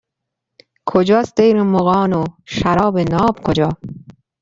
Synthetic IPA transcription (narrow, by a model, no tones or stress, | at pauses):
kʰod͡ʒɑːsd̪ejɾemoɣɑːnoʃaɾɒːbenɑːbkʰod͡ʒɒː